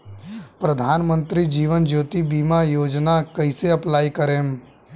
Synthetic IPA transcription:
pɾəd̪ʱaːnmə̃nt̪ɾid͡ʒiːʋənd͡ʒoːt̪ibiːmajoːd͡ʒnakəiseɐplaːikəɾeːm

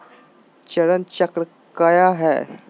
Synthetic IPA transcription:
t͡ɕəɽənt͡ɕəkɾə | kajaɦɛ̰

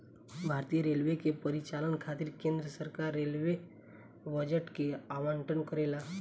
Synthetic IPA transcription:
bʱaːɾt̪ijəɾelʋekepəɾit͡ʃalənkʰat̪iɾkẽnd̪ɾəsəɾkaɾːelʋe | bəd͡ʒəʈkeaməɳʈənkəɾela

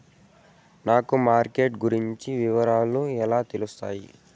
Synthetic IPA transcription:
naːkumaːɾkeːʈɡuɾiɲt͡ʃiʋiʋɐɾaːluɛlaːt̪elust̪aːjḭ

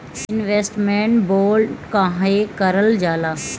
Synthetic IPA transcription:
ɪnʋeːsʈmẽːɳʈboːlkãːɦekəɾəld͡ʒaːlaː

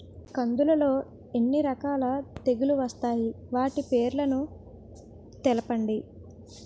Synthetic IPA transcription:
kɐnd̪ulɐlo̞ː | e̞nːiɾɐkaːlɐt̪e̞ɡuluʋɐst̪aːjiʋaːʈipe̞ːɾlɐnu | t̪ɛlɐpɐɳɖi

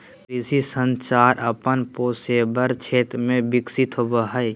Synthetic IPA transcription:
kɾɪsisə̃nt͡ʃaːɾʔɐpənpoːseːbəɾt͡ʃʰeːt̪ɾmẽbɪksɪt̪ɦobəɦəj

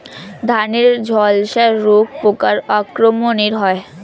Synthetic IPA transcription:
d̪ʱaneɾd͡ʑʱɔlʃaːok̚pokaɾɔkɾomoniɾɦɔe

